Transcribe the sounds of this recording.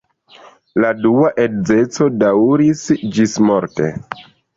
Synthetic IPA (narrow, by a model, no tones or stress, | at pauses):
laduaʔedze̞t͡so̞dawɾisd͡ʒismo̞ɾtḛ